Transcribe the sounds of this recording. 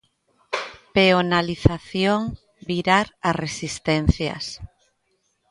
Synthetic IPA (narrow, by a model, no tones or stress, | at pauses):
peonaliθaθjoŋ | biɾaɾaresist̪ɛn̟θjɐ̰s